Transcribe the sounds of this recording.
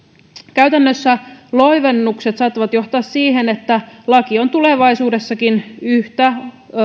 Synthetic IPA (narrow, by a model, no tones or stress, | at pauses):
kæyt̪ænːøsːælo̞iʋenːukset̪sɑːt̪ːɑʋɑt̪jo̞ht̪ɑːssiːɦenet̪ːælɑkio̞nt̪uleʋɑisuːdesːɑkinyht̪æ